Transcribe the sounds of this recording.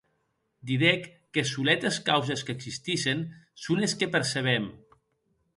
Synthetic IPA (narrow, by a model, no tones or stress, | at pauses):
d̪iðɛkː | esulɛt̪eskawzeskeːɡzsist̪iʃensuneskepeɾseβ̞ɛm